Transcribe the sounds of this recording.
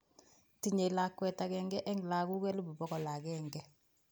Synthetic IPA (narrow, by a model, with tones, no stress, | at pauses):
ti˨ɲe˨la˨kːwɛ˨ta˨kɛ˨ŋɡɛ˦ʔɛ˦ŋ˨la˨ku˦kɛ˦lu˦bu˨bɔ˦ɡɔ˨la˨kɛ˦ŋɡɛ˦